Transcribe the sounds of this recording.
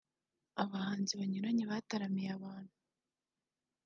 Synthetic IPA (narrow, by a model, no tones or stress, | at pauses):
aβahaːnziβaɲuɾaɲeβataɾamijaβaːn̥hu